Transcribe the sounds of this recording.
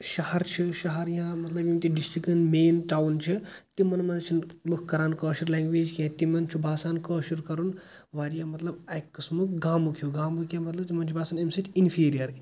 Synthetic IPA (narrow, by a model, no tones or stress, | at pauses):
ʃɐɦɐɾt͡ʃʰiʃɐɦɐɾjãmɐt̪lɐbjũŋt̪iɖisʈikɐnmeːnʈaːwnt͡ʃʰit̪imɐnmɐnt͡ʃʰinlukʰkːɐɾaːnkəːʃuɾlɛ̃ːŋɡʋeːd͡ʒkʲãt̪imɐnt͡ʃʰibʱaːsaːnkoːʃuɾkɐɾun | ʋaːɾjãːmɐt̪lɐbɐjkːɨsmukɡaːmukʰjuɡaːmbukʲjamɐt̪lɐbt̪imɐnt͡ʃʰibaːsɐnɐmsɐt̪ʰʲinfʰiːɾijɐɾkʲe